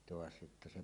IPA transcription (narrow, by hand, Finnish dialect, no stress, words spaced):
toɑs jotːɑ se